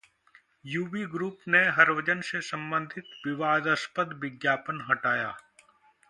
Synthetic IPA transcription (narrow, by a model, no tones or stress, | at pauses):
juːʋiːɡɾuːpneɦɐɾʋɐd͡ʒənsesɐ̃mbə̃nd̪ʱɪt̪ʋɪʋaːd̪əspəd̪ʋɪɡjaːpənɦɐʈaːja̰ː